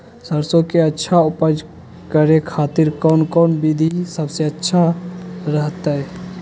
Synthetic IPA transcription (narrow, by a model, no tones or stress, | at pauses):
səɾsokeətːʃʰaupəd͡ʒ | kəɾekʰat̪iɾkɔnkɔnbid̪ʱisəbseətːʃʰaɾəɦt̪əj